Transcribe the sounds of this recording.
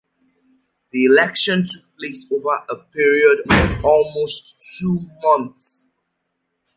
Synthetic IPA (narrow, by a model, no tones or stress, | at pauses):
ðiilɛkʃɔ̃ntʰupʰleɪsovəʔəpʰiɹiɔdɔvɔlˠmostʰːuːmʌ̃nθs